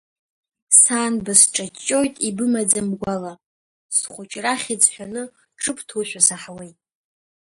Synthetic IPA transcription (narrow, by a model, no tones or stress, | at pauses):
saːnbasʈ͡ʂʼat͡ʃʼːo̞jtʼibɨmad͡zamɡʷala | sχʷʊt͡ʃʼraχʲid͡zħʷᶣanɨ | ʈ͡ʂʰʼɨpʰʼtʰuʃʷᶣasaħawejtʼ